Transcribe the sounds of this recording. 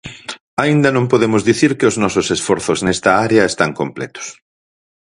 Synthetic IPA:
aind̪ɐnõmpoðemʊzðiθiɾkɪʊznɔsʊsesfɔɾθʊznɛst̪ɐaɾeɐest̪aŋkomplɛ̰t̪ʊ̥s

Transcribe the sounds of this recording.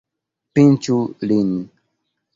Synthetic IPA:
pĩt͡ʃulini

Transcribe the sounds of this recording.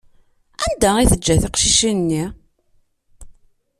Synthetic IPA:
ænd̪æiθəd͡ʒːæθiqʃiʃinːi

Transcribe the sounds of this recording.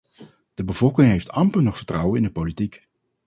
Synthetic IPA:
d̥əbəv̥ɔlˠkɪŋɦejftɑmpənɔχfəɹtrʌwənɪndəpolitik

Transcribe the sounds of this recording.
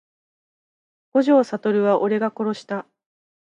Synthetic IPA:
ɡ̥o̞ʑo̞ːsat̪o̞ɾɯ̟βaʔo̞ɾe̞ɡako̞ɾo̞ɕi̥t̪a

